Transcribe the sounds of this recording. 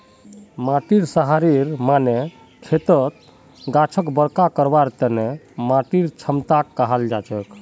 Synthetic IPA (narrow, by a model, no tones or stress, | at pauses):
maʈiɾsəɦaɾiɾmane | kʰet̪ət̪̚ | ɡat͡ʃʰəkbəɾkakəɾbaɾt̪əne | maʈiɾt͡ʃʰəmt̪akːaɦald͡ʒat͡ʃək